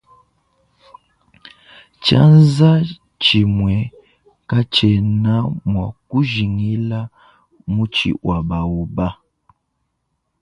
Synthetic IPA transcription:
t͡ʃa̰˦nza˦ | t͡ʃi˨mwɛ˨ | ka˦t͡ʃɛ˨na˦mwa˨ku˦ʒi˨ŋi˦la˦ | mu˦t͡ʃḭ˨wʔa˨ba˨wu˨ba˦

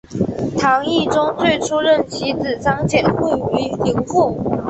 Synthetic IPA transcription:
t̪ʰɑ˧˥ŋi˥˩ʈ͡ʂʊ˥ŋt͡swe˥˩ɪʈ͡ʂʰu˥ɻə˥˩nt͡ɕʰi˧˥t͡sɹ̩˨˩t͡sɑ˥ŋt͡ɕjɛ˨˩nxi˥˩i˧˥li˧˥ŋfu˥˩

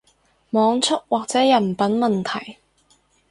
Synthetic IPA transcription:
mɔː˨˧ŋt͡ʃʰʊ˥t̚waː˨k̚t͡sɛː˨˥jɐ˨˩npɐ˨˥nmɐ˨nt̪ʰɐ˨˩j

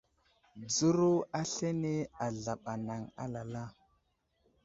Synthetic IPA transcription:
d͡zu˦ɾo˦a˦ɬe˦ne˦a˨ɮa˨ɓa˨na˨ŋa̰˦la˨la˦

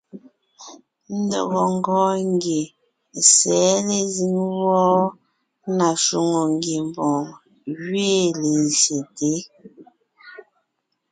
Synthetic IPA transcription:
n̩˦dɔ̰˦˨ɣɔ˨ŋ˦˨ɡɔː˦ŋ˦ɡe˨ | sɛ˨˦le˦zi˦ŋwɔː˦ | na˨su˨ŋo˨ŋɡe˨m˨bɔ̃˨ | ɥeː˦˨le˨nze˨te˦

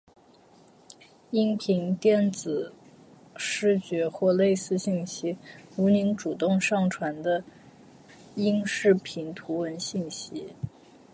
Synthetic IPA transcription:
i˥ŋpʰi˧˥ŋt̪jɛ˥˩nt͡sɹ̩˨˩ | ʂɻ̩˥˩t͡ɕɥɛ˧˥xwɔ˥˧le˥˧ɪsɹ̩˥˧ɕi˥˩nɕi˥u˧˥ni˧˥ŋʈ͡ʂu˨˩t̪ʊ˥˧ŋʂɑ˥˩ŋʈ͡ʂʰwa˧˥nd̪ə˧ | i˥ŋʂɻ̩˥˩pʰi˧˥ŋt̪ʰu˧˥wə˧˥nɕi˥˩nɕi˥

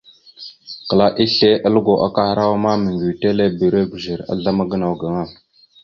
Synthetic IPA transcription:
kə˨la˦ʔi˦ɬe˦ʔə˦lə˦ɡo˨ʔa̰˦ka˦hɾa˦wa˦ma˦mə˨ŋɡi˨te˦le˦bi˨ɾe˦ɡu˨zi˨ɾa̰˦ɮa˦ma˦ɡə˦na˨wɡa˨ŋa˦˨m

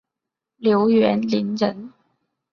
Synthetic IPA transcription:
ljo˧˥ʊɥɛ˧˥nli˧˥nɻə˧˥n

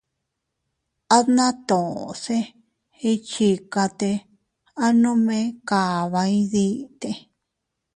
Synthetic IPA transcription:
a˦ðnã˦t̪õ˨˧se˦ | i˧t͡ʃi˧ka˧t̪e˧ | a˦nõ˦mẽ˦ka˨βa˧ĩ˦ði˦t̪e˧

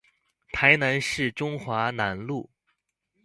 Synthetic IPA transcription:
t̪ʰa˧˥ɪna˧˥nʂɻ̩˥˩ʈ͡ʂʊ˥ŋxwa˧˥na˧˥nlu˥˩

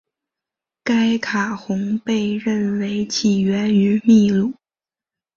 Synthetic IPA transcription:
ka˥ɪkʰa˨˩xʊ˧˥ŋpe˥˧ɪɻə˥˩nwe˧˥ɪt͡ɕʰi˨˩ɥɛ˧˥ny˧˥mi˥˧lu˥˩˦

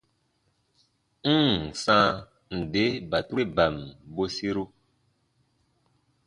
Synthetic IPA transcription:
sã˦ | n̩˨de˨˦ba˨tu˦e˦ba˨mbo˦si˦ɾu˦

